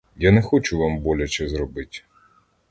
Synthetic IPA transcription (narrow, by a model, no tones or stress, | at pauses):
janɛxɔt͡ʃʊʋambɔlʲɐt͡ʃɛzɾɔbɪtʲ